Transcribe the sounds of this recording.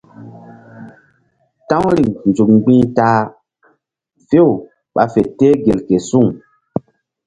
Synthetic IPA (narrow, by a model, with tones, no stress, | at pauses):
tã˦wɾi˨ŋnd͡zu˨k̚ŋ͡mɡ͡bĩː˦taː˦ | ve˦w | ɓa˨fe˨teː˦ɡe˨lke˨su˦ŋ